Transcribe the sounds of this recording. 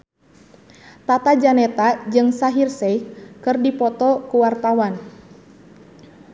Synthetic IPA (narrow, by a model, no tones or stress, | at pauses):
t̪at̪ad͡ʒanɛt̪ad͡ʒɨŋsaɦirsɛikɨrdipɔt̪ɔkuwart̪awan